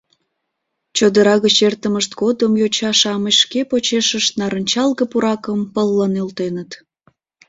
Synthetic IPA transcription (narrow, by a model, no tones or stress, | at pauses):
t͡ɕod̪əɾɑɣət͡ɕert̪əməʃt̪̚ɡod̪əmjot͡ɕɑʃɑməʃkepot͡ɕeʃəʃt̪nɑɾənʲt͡ɕɑlɣəpuɾɑkəmpəlːənylt̪enət̪